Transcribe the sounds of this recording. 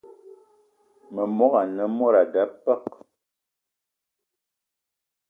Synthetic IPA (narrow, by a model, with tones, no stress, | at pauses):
mə˨mɔ˦ɣa˨nə˨mɔ˦ɾa˨da˦pə˦˨k̚